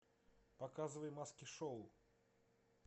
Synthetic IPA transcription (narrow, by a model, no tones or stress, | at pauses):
pakazɨvəjmaskʲiʂow